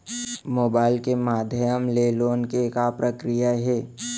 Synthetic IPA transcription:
moːbaːɪlkemaːd̪ʱjəmleːloːnkekapɾəkɾijaɦɛː

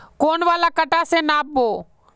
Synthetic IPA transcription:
koːnʋaːlaːkəʈaːsenaːp̚boː

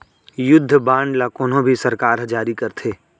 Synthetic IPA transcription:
jʊd̪ʱːəbãːɳɖlakoːnõbʱisɐɾkaːɾɦd͡ʒaːɾikɐɾt̪ʰeː

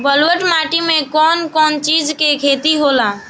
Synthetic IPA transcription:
bəlwəʈmaːʈimẽkɔːnkɔːnt͡ʃiːd͡ʒkekʰeːt̪iɦoːlaː

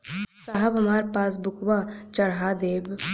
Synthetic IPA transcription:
saɦɐbɐmaːɾpaːs̬bʊkʋat͡ʃɐɽɦaːd̪eːb

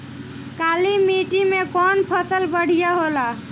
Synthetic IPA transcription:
kalimiʈimekɔnpʰəsəlbəɽ̤ijaɦola

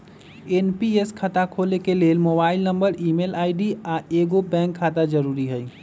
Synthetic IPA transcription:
eːnpieskʰət̪akʰoːlekeleːlmoːbaːɪlnəmbəɾiːmeːlaːɪɖiaːeːɡobɛ̃ːŋkʰːaːt̪ad͡ʒəɾuːɾiɦəi

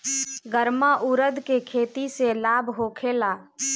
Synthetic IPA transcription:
ɡəɾmaʔuɾəd̪kekʰeːt̪iselaːbʱɦoːkʰelaː

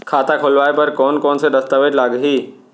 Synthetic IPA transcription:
kʰaːt̪akʰolʋaːepɐɾkɔːnkɔːnsed̪ɐst̪aʋeʈlaːɡɦiː

